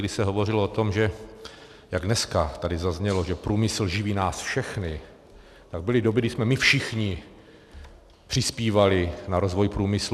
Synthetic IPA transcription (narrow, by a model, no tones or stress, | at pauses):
dɪsɛɦovo̞r̝ɪloot̪o̞mʒɛ | jaɡdnɛskat̪adɪzazɲɛlo̞ʒɛpɾuːmɪsl̩ʒɪviːnaːsfʃɛxnɪ | t̪aɡ̚bɪlɪdobɪɡdɪsmɛmɪfʃɪxɲɪ | pr̥ɪspiːvalɪnaɾo̞zvo̞jpɾuːmɪs